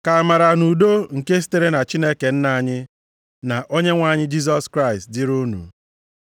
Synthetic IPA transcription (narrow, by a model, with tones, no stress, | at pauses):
ka˨a˨ma˨ɾa˨nu˨do˦ŋ̩˨ke˦s̬i̥˦te˦ɾe˦na˨t͡ʃi˦ne˦ke˨n̩˦na˨ɲɪ˦ | na˨ʔo˦ɲe˦ŋʷa˦˨ɲɪ˦d͡ʒi˦s̬ɔ˦skɾa˦˨ɪ˨st̚dɪ˦ɾu˦nṵ˨